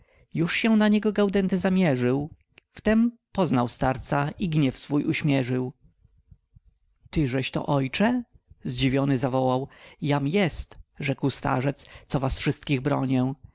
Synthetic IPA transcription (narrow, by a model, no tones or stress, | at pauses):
juʂɕɛnaɲɛɡɔɡawd̪ɛnt̪ɛzamʲjɛʐɘw | ft̪ɛmpɔznawst̪aɾt̪saiɡɲɛfsfujʔuɕmʲjɛʐɘw | t̪ɘʐɛɕt̪ɔ̰ʔɔjt͡ʂɛzd͡ʑivʲjɔnɘzavɔwawjamjɛst̪ʐɛkwst̪a̰ʐɛt̪st̪sɔvasfʂɘst̪̚kʲiɣbɾɔɲɛ̃